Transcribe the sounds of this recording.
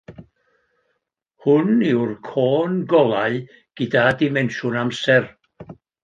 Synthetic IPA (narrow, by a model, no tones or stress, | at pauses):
hʊnɪwrkʰoːnɡɔlˠaɨ | ɡ̥ɪdadɪmɛnʃʊnamsɛr